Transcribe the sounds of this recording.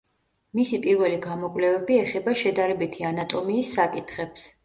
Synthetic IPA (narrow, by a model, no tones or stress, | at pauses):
misipʼiɾvɛliɡamɔkʼvlɛvɛbiɛχɛbaʃɛd̪aɾɛbit̪ʰianat̪ʼɔmiːsːakʼit̪ʰχɛps